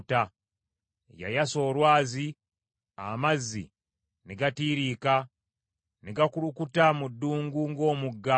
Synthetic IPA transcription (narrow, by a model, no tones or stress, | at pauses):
ta | ja̰jaso̞ːlwaːzi | a̰mazːḭ | niɡatiːɾiːka | niɡakulukutamudːuːŋɡuŋɡo̞ːmuɡːa